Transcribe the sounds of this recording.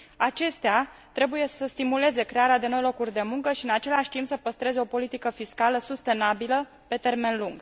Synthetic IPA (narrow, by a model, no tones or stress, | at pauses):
at͡ʃe̞st̪eat̪ɾe̞buje̞səst̪imule̞ze̞kɾe̞aɾead̪e̞no̞jlo̞kurʲd̪e̞muŋkəʃiɨnat͡ʃe̞laʃʲt̪impsəpəst̪ɾe̞zeo̞po̞lit̪ikəfiskaləsust̪e̞nabilə | pe̞t̪e̞rme̞nluŋɡ